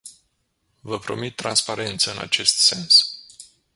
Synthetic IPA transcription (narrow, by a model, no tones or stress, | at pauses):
vəpɾo̞̰mit̪ːɾanspaɾʔe̞nt̪səɨna̰t͡ʃe̞st̪se̞ns